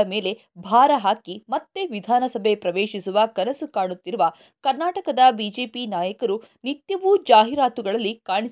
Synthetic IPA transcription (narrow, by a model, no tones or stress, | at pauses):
ɐme̞ːle̞ | bʱaːɾɐɦaːkimɐt̪ːeʋid̪ʱaːnɐsɐbʱe̞pɾɐʋeːʃisuʋɐkɐnɐsukaːɽut̪ːiɾuʋɐ | kɐɾnaːʈɐkɐd̪ɐbid͡ʒe̞ːpinaːjɐkɐɾunit̪jɐʋud͡ʒaːɦiɾaːt̪uɡɐɭɐlːikaːɳis